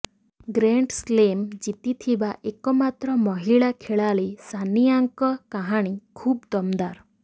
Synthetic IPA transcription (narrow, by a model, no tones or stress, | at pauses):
ɡɾeɳʈslemd͡ʒit̪it̪ʰibaʔekɔmat̪ɾɔmɔɦiɭakʰeɭalisaniaŋkɔkaɦaɽ̃ikʰuːbd̪ɔmd̪aɾ